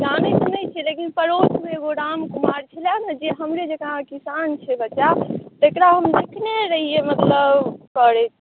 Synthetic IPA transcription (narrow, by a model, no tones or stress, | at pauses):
d͡ʒanɛsənət͡ʃʰɛlekinpəɾot͡ʃʰmeɡoɾamkumaɾt͡ʃʰɛljanəd͡ʒeɦəmɾed͡ʒekəɾãkisant͡ʃʰɛbətːʃat̪ekɾaɦəmd̪ekʰneɾəɦijemət̪ləbkəɾɛt̪